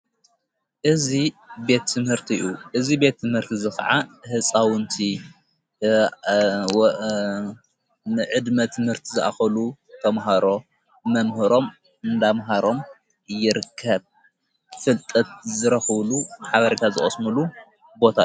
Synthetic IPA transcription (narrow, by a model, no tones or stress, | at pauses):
ʔɨzibe̞t̪ʰːɨmhɨɾt̪ʰiʔuʔɨzibe̞t̪ʰːɨmhɨɾt̪ʰizɨxɐ̰ʕahɨsʼawɨnt̪ʰi | nɨʕɨd̪mɐt̪ʰɨmhɨɾt̪ʰizɨʔa̰xɐlut̪ʰɐmɦaɾo̞ | mɐmhɨɾo̞m | ɨnd̪amɦaɾo̞m | ɨjːɪɾɨkʰːɐβ | fɨlt̪ʼɐt̪̚zɨɾɐxβluħaβɐɾet̪ʰazɨχʼɐsmulu | bo̞t̪ʰa